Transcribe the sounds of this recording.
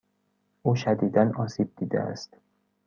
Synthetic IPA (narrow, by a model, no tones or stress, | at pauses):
ʔuːʃæd̪iːd̪ænɒːsiːb̚d̪iːd̪ḛæ̰st̪